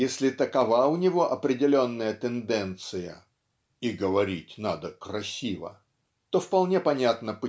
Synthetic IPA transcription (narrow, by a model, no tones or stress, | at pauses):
jesʲlʲɪt̪əkɐvaʊnʲɪvo̞ʔɐpɾʲɪdʲɪlʲo̞nːəjət̪ɪnd̪ɛnt̪sɨjə̰ | iɡəvɐɾʲitʲna̰d̪əkɾɐsʲivə̰ | t̪o̞fpɐlˠnʲe̞pɐnʲat̪nəp